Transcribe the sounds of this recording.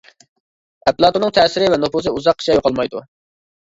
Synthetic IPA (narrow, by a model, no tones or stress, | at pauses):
ɛplˠɑt̪uɾnɨŋt̪ʰɛsɪɾɪvɛnufuzɨuzɑqːi̥t͡ʃʰɑjoqʰɑlˠmɑjd̪ṵ